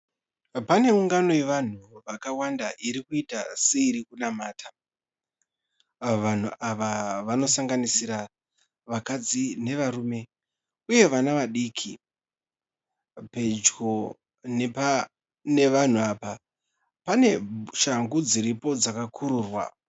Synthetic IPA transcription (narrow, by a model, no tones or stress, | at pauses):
pane̞uŋɡano̞je̞ʋan̤uʋakawandaʔiɾikuitaseiɾikunamaːtʰa | ʋan̤uʔaʋaʋano̞saŋɡanisiɾa | ʋakad͡zine̞ʋaɾuːme̞ | uje̞ʋanaʋaɗiːkʰi | pe̞d͡ʒɡo̞ | n | ne̞ʋan̤uaːpa | pane̞ʃaŋɡud͡ziɾipo̞d͡zakakʰuɾuːrwa̰